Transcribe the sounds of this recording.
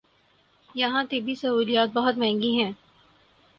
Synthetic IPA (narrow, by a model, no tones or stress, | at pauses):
jɐɦãt̪ebʱisɐuːlijaːt̪̚bɐɦʊt̪mɛ̃ɦŋɡiɦɛ̃ː